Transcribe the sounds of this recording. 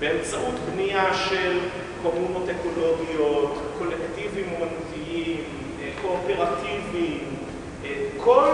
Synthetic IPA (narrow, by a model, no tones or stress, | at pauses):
beemt͡saʔut̪bniaʃel | komunotekolo̞ɡijotko̞lekt̪ivimomantiim | koːpeʁativim | kʰo̞l